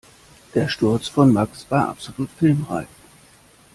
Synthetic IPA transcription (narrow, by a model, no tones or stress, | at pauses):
d̥eːɐʃtʊɐt͡sfɔnmaksv̥aːɐʔa̰pz̥oluːtfɪlmʁa̰ɪç